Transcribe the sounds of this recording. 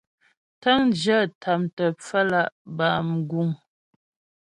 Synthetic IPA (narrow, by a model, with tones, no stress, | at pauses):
tə˦ŋd͡ʒə˦˨tʰa˨mtə˨p͡fə˦la˦˨ʔbaː˨m˨ɡu˦˨ŋ